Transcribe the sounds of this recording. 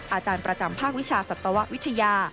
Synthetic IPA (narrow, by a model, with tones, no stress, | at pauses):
ʔaː˧t͡ɕaː˧npɾa˧t͡ɕa˧mpʰaː˥˩k̚wi˦˥t͡ɕʰaː˧sa˨˩t̪ːa˧wa˦˥ʔ̚wi˦˥t̪ʰːa˧jaː˧